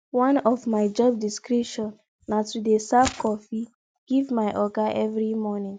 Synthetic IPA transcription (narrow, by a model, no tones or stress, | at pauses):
wãnɔvmaɪd͡ʒɔb̚diskɹiʃɔ̃nː | atudesabkɔfi | ɡ̥ivmaɪʔɔɡaʔɛvɹimɔnĩŋ